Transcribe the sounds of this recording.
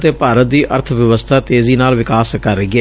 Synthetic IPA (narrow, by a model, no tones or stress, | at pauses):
t̪eːpaːɾət̪̚d̪iːʔə̰ɾt̪ʰʋjəʋəst̪ʰaːt̪eːziːnaːlʋɪkaːskəɾɡɛ